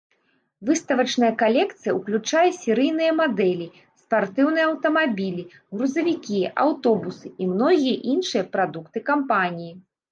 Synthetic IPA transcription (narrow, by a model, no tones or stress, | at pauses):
vɨst̪ɐvɐt͡ʂn̪ɐjɐkalʲɛkt̪sɨjɐuklʲut͡ʂajɐsʲɛɾɨjnɨjɐmad̪ɛlʲi | spart̪ɨwnɨjɛɐwt̪ɐmabʲilʲi | ɣɾuzɐvʲikʲia̰wt̪ɔbusɨimnɔɣʲijɐʔinʂɨjɐpɾad̪ukt̪ɨkampanʲiji